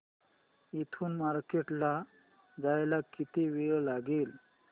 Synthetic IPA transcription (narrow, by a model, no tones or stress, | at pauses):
it̪ʰuːnmaɾkeʈla | d͡zajlakit̪iʋeɭlaɡeːl